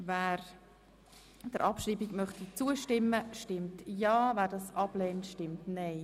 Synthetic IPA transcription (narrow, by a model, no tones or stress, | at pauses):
væːɾ | d̥əɾʔɑpʃriːbiɡmœχtit͡suəʃtɪmːəʃtɪmtjɑːvæːɾdɑsɑb̥lɛːntʃtɪmtnɛɪ